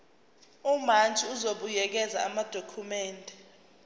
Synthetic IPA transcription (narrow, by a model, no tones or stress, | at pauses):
umant͡ʃʼiuzoɓujɛk̬ɛza̰amad̥ʱokʰumɛːndʱɛ